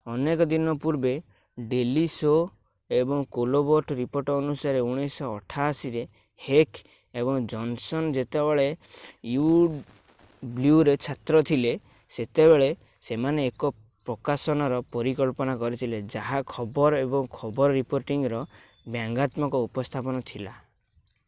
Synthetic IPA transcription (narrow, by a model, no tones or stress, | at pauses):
ɔnekɔd̪inɔpuɾbe | ɖeliso | ebɔŋkolobɔɾʈɾipoɾʈɔːnusaɾeuɽ̃esɔːʈʰaːsiɾe | hekʰ | ebɔŋd͡ʒɔnsɔnd͡ʒet̪ebeɭeju | bljuɾet͡ʃʰat̪ɾɔt̪ʰile | set̪ebeɭe | semaneːkɔ | pɾɔkasɔnɔɾɔpɔɾikɔlpɔnakɔɾit̪ʰiled͡ʒaɦakʰɔbɔɾɔebɔŋkʰɔbɔɾɔɾipoɾʈiŋɾɔ | bjaŋɡat̪mɔŋkɔupɔst̪ʰapɔnɔt̪ʰila